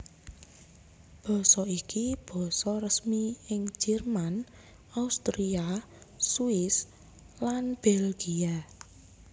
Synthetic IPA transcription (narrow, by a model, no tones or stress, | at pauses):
b̥ɔ̤sɔikib̥ɔ̤sɔrəsmiɪŋd͡ʒ̥ɛrman | aust̪ɾia | suɪs | lanb̥ɛlɡ̥ia